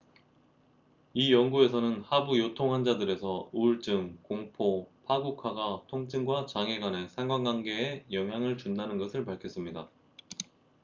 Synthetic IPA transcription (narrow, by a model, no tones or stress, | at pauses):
ijʌŋɡue̞sʰʌnɯnhabujotʰoŋɦand͡ʑadɯɾe̞sʰʌuɭt͡ɕɯmkoŋpʰopʰaɡukʰaɡatʰoŋt͡ɕʰɯŋɡwat͡ɕaŋeɡwane̞sʰaŋɡwaŋɡwaŋɡe̞ːjʌŋɦjaŋɯɭt͡ɕunːanɯnɡʌsʰɯɭpaɭkʰjʌs͈ɯmɲida